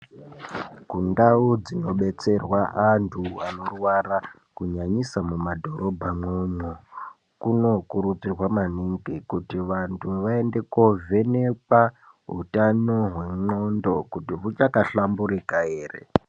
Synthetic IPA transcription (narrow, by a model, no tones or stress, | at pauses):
kundaud͡zino̞ɓe̞t͡se̞rwaʔantʰuano̞rwara | kuɲaɲisamumadʱo̞ɾo̞bʱamoɲo | kuno̞kuɾut͡sirwamaniŋɡikutiʋantʰuʋae̞nde̞kove̞nepa | ɦṵtanoɦwe̞ŋ͡ǃondo̞kutiɦut͡ʃakaɬambuɾikae̞ːre̞̰